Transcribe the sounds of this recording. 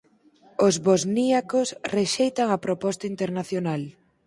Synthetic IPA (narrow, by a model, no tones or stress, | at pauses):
ozβozniakosreʃejt̪aŋɐpɾopɔst̪aint̪eɾnaθjonal